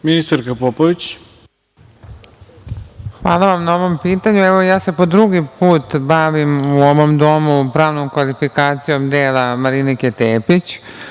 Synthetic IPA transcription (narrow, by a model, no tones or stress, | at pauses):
minist̪aɾkapopoʋit͡ɕ | xʋaːlaʋamnao̞ʋo̞mpiːt̪aɲuɛʋojaːse̞po̞d̪ɾuɡipuːt̪baʋimuoʋo̞md̪o̞mupɾaːʋnomkʋalifikaːt̪sijo̞md̪eːlamaɾiniket̪eːpit͡ɕ